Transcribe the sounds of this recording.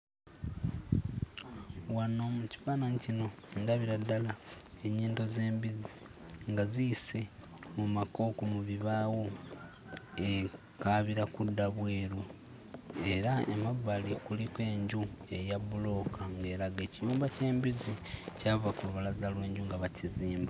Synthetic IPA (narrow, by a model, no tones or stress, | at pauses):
wano̞muci̥βanaɲcino̞ndaβiɾadːalaeɲiːnto̞ze̞ːmbizi | ŋɡazise̞ | mumako̞ːkomuβiβaːwo̞ | e | kaβiɾakudːaβweːɾu | e̞ɾaḛmaβːalikulikwe̞ːɲɟue̞jaβulo̞kʰaŋɡe̞ːɾaɡe̞ːcijuːmbace̞ːmbizicaːvakuluβalazalwe̞ːɲɟuŋɡaβaciziːmba